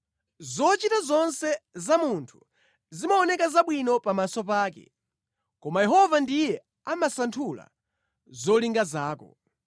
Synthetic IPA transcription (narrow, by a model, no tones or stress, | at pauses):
zɔt͡ʃitazɔnsɛzamuntʰu̥ | zimaɔnɛkazaɓwinɔpamasɔpaːkɛ̰ | kɔmajɛɦɔvandijɛ | amasantʰula̰ | zɔliŋɡazaːkɔ̰